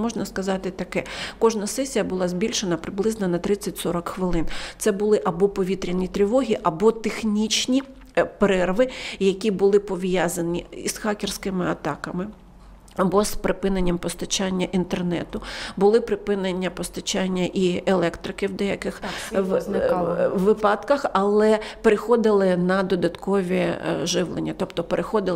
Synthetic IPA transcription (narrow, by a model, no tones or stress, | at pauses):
mɔʒnɐskɐzɑt̪ɪt̪ɐkɛkɔʒnɐsɛsʲijɐbʊlˠɑzʲbʲilʲʃenɐpɾɪblˠɪznɐnɐt̪ɾɪt͡sʲːɐtʲsɔɾɐkxʋɪlˠɪnt̪sɛbʊlˠɪʔɐbɔpɔʋʲit̪ɾʲɐnʲit̪ɾʲɪʋɔɦʲiʔɐbɔt̪exnʲit͡ʃnʲi | pɾɛrʋɪjɐkʲibʊlˠɪpɔʋʲjazɐnʲiisxɑkʲɪrsʲkɪmɪɐt̪ɑkɐmɪ | ɐbɔspɾɪpɪnenʲːɐmpɔst̪ɐt͡ʃanʲːɐʔint̪ernɛ̰t̪ʊbʊlˠɪpɾɪpɪnenʲːɐpɔst̪ɐt͡ʃɑnʲːɐʔielˠɛkt̪ɾɪkɪwd̪ɛjɐkɪx | ʋɪpɑd̪kɐxɐlˠɛpeɾɪxɔd̪ɪlˠɪnɐd̪ɔd̪ɐt̪kɔʋʲiʒɪwlˠenʲːɐt̪ɔpt̪ɔpeɾʔexɔd̪ɪlˠ